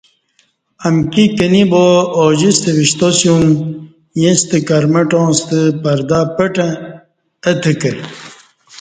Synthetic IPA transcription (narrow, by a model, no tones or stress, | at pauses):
ɐmkikɐnibooːd͡ʑist̪eʋiɕt̪osjum | jẽst̪ɨkɐɾmɐʈõːst̪ɨpɐɾd̪aːpɐʈɐ̃ | ɐt̪ʰekɐɾ